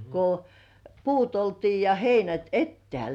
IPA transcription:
ko puːt oltiː jɑ heinæt etːĕæˑl

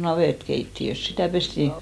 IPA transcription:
nɑʋeˑtkeitːiøs sitæˑ pestiˑ

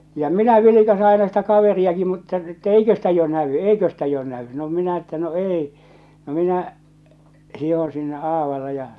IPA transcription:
jɑ minæ ʋilikɑse ɑinɑ sitæ kɑʋeriɑki mutːɑ etːæ eikø stæ jo næʋy eikø stæ jo næy no minæ etːæ no eˑi no minæ hihõː sinːe ʔɑːʋɑle jɑ

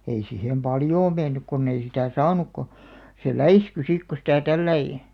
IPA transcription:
ei sihem pɑljoː menːyk konː ei sitæˑ sɑːnuk ko se læisky sik ko sitæ tælːæi

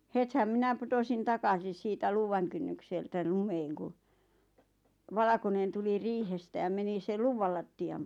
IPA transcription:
hethæm mĭnæ putosin tɑkɑsis siːtæ luːʋɑŋ kynːykseltæ lumeːŋ ku ʋɑlɑ̆konen tuli riːhestæ jɑ meni sel luʋːɑl lɑtːiɑm

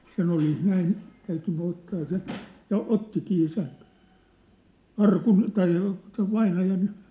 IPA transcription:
sen olis næin tæytynːy otːɑː sen̞̆ jɑ otːikiː sen̞ ɑrkun tɑi seʋ ʋɑinɑjɑn

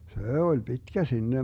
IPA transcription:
seˑ olʲ pitkæ sinːe

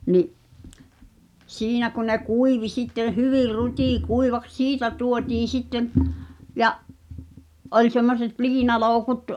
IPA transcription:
niʔ siːnæ kun̆ ne kuiʋi sitːẽː hyʋir rutʲikuiʋɑks siːtæ tuotiːn̞ sitːem̆ jɑʔ ʔolʲ semːoset liːnɑloˑu̞kut

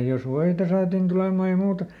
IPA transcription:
jos ʋoitɑ sɑːtin tulemɑˑ jɑ muːtɑ

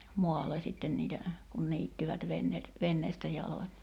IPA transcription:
moɑlːe sitːen niːtæ kun niːtːiʋæt ʋenːeːt ʋenːeːstæ jɑlonʲ

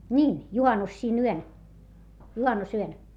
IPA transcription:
nʲiːn juhɑnːus siːn yøn juhɑnːusyøn

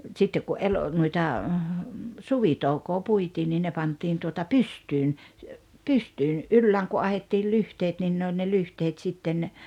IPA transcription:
sitːek ku ʔel nuitɑ suʋitoukoː puitiː niː ne pɑntˑiːn tuotɑ pystyːn pystyːn̞ ʔylːæːŋ ku ɑhetːiːl lyhteːt nin ne olʲ ne lyhteːt sitːen

